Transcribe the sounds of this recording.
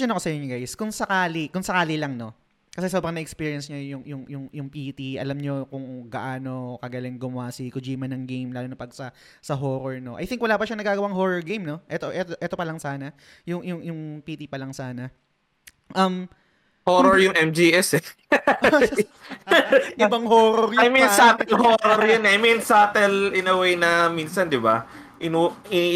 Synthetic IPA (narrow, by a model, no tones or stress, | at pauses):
ɐnɐkosɐjoɲːoɡajskʊŋsɐkaːlikʊŋsɐkaːlɪlɐŋno̞ | kɐs̬ɛsobɾɐŋnɐʔɛkspiːɹiɐnsɲɐjʊŋjʊŋjʊŋjʊŋpiːt̪iʔɐ̰lɐmɲo̞kʊŋɡɐʔaːno̞kɐɡɐlɪnɡʊmʊwaːsikʊd͡ʒiːmɐnɐŋɡejmlaːlonɐpɐɡ̚sɐ | sɐɦoːɾoɹnoʔɐ̰jt̪ɪŋkwɐlaːpɐʃaɐŋnɐɡaːɡɐwaŋɦoːɾoɹɡejmno̞ʔɛt̪oʔɛt̪oʔɛːt̪opɐlɐŋsaːnɐ | jʊŋjʊŋjʊŋpiːt̪ipɐlɐŋsaːnɐ | ʔɐm | hoːɾoɹjʊŋʔɛmd͡ʒiɛsɛ | ʔɪbɐŋhoːɾoɾjajminsat̪ɛɛlhoɾoɾjɐnɛʔajminsaːt̪ɛlɪnɐwejnɐminsɐnd̪ɪba | ʔɪnuɪ